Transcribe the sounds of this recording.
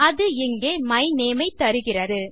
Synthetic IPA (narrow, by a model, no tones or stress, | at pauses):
ɐðɯɪŋɡeːmɐɪneːmɐɪt̪ːɐɾɯɣɪrɐɾɯ